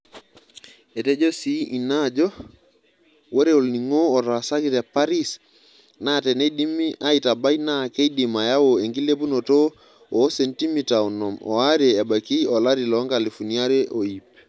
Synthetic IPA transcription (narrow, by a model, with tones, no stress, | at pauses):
e˨te˦d͡ʒo˦si˦i˨na˦d͡ʒɔ˦ | wo˦ɾe˦o˨lni˨ŋo˦ɔ˨tɔ˨a˨sa˦ki˦tɛ˨pa˦ɾi˦s | na˦˨tɛ˨ne˦di˦mi˦ʔa˦i˨ta˨ba˦ina˦˨ke˦i˦di˨ma˨ja˦wo˨e˨ŋɡi˦le˦p̬u˦no˨to˦ | o˨˦se˨nti˦mi˨ta˨ɔ˨nɔ˨mɔ̰˨a˦ɾeː˨ba˨ki˦ɔ˨la˦ɾi˨lɔ˨˦ŋɡa˨li˨fu˨ni˦a˦ɾe˦ʔo˨i˨p